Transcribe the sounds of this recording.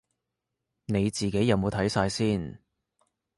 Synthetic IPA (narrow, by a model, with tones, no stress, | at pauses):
ne˨˧jt͡siː˨ke˨˥jːɐ˨˧wmo˨˧t̪ʰɐ˨˥jsaː˧jsiː˥˩n